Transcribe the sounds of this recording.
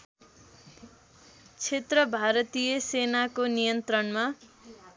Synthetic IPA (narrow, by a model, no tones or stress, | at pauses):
t͡sʰet̪rʌbʱaɾʌt̪ijʌsenakonijʌnt̪rʌnma